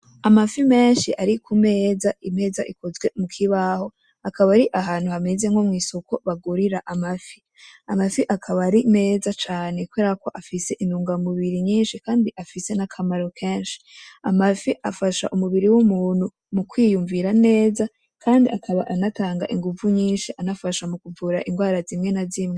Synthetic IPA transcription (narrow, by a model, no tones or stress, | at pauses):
amafime̞ːnʃiʔaɾikume̞ːzaʔine̞ːza̰ʔiko̞zɡwe̞mukʰiβaho̞ | akaβaɾiʔaɦaːnhuhame̞zeŋho̞mŋiːso̞koβaɡuɾiɾaʔamafi | amafiʔakʰaβaɾine̞ːzat͡ʃaːnekuweɾako̞ʔafise̞ʔinuːŋɡamuβiɾiɲiːnʃikaːndiʔafise̞nakʰamaɾo̞kʰeːnʃi̥amafiʔafaʃa̰ʔumuβiɾiwumuːn̥hu | mukwiːjuɱviɾane̞ːza | kʰaːndiʔakʰaβaʔanataːŋɡaʔiŋɡuvuɲiːnʃiʔanafaʃamukuvuːɾaʔiŋɡwaːɾazimŋe̞nazimŋe